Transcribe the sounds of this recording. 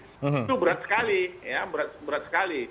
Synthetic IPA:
t̪ubəɾat̪skalijabɾat̪bəɾat̪skali

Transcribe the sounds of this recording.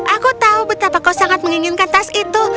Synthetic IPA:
ʔakot̪aʊbɪt̪apakosaŋat̪̚maŋiŋɪnkant̪asit̪o

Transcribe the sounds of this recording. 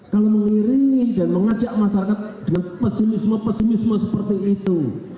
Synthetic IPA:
kaloməŋiɾɪŋdanməŋḁd͡ʒaʔmasaɾakat̪̚d̥̪əŋanpɛsimisməpɛsimisməsəpərt̪iit̪u

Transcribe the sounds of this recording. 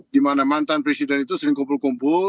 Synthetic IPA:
dimanamant̪anpɾesidɛnit̪usəɾɪŋkɔmp̬ulkumpʊ

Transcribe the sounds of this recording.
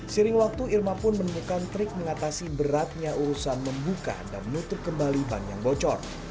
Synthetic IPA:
səɾɪŋwak̚t̪uirmapʊnmənəmukant̪ɾɪk̚məŋat̪asibəɾat̪̚ɲauɾusanməmbuka̰danmənut̪ʊp̚kəmbaliba̰ŋja̰ŋbɔt͡ʃɔ̰r

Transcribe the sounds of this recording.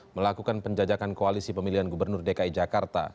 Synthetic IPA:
məlakukanpəɲd͡ʒad͡ʒakankoalisipəmiliɦanɡubərnʊrdekaid͡ʒakart̪a̰

